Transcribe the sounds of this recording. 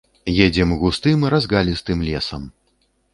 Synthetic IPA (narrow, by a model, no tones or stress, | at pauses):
jɛd͡zʲɛmɣust̪ɨmɾazɣalʲist̪ɨmlʲɛsɐm